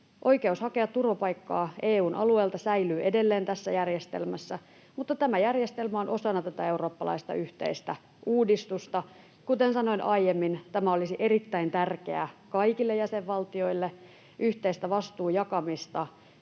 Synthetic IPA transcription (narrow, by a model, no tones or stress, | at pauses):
ʔoikeushɑkeɑt̪t̪urʋɑpɑikːɑːʔeːuːnʔɑ̰lueːlt̪ɑsæilyːʔedelːeːnt̪æsːæjærjest̪ḛlmæsːæ | mut̪ːɑt̪æmæjærjest̪elmæonʔo̞sɑnɑt̪æt̪æe̞uro̞ːpːɑlɑ̰ist̪ɑ̰yht̪ḛist̪æ | uːdist̪ust̪ɑ | kut̪ensɑno̞inʔɑijemːint̪æmæolisiʔerit̪ːæint̪ærkeækɑikilːejæseʋʋɑlt̪io̞ilːe | ʔyht̪eist̪æʋɑst̪uːjɑkɑmist̪ɑ